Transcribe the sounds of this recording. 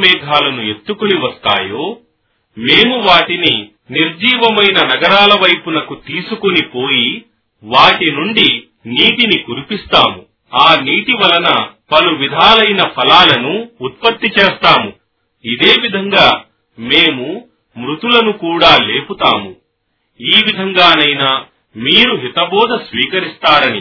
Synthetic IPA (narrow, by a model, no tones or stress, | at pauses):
mɛːɡʱaːlɐnue̞t̪ːukuniʋɐst̪a̰ːjo̞ː | meːmuʋaːʈini | niɾd͡ʒiːʋɐmɐjnɐnɐɡɐɾaːlɐʋɐjpunɐkut̪iːsukonipoːji | ʋaːʈinuɳɖi | niːʈinikuɾipist̪aːmu | aːniːʈiʋɐlɐnɐpɐluʋid̪ʱaːlɐjnɐpʰɐlaːlɐnuːt̪̚pɐt̪ːit͡ʃe̞ːst̪aːmu | id̪eːʋid̪ʱɐŋɡaː | meːmu | mɾut̪ulɐnukuːɽaːle̞ːput̪a̰ːmu | iːʋid̪ʱɐŋɡaːnɐjnaː | miːɾuɦit̪ɐbɔːd̪ʱɐsʋiːkɐɾist̪aːɾɐnḭ